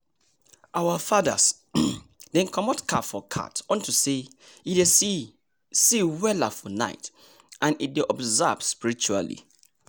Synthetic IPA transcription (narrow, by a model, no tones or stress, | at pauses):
ʔawafaða̰s | dɛ̃nkʰɔ̃mɔtkʰatfɔkʰa̰tɔ̃ntʰuseide | siwɛlafɔna̰ɪt | ʔãnideʔɔbzavspiɾit͡ʃua̰lḭ